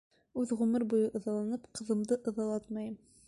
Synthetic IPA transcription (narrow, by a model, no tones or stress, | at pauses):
ʉðʁʉmɘɾbujɤʔɤ̆ðɑlˠɑnɤpqʰɤ̆ðɤ̆md̪ɤʔɤ̆ðɑlˠɑt̪mɑjm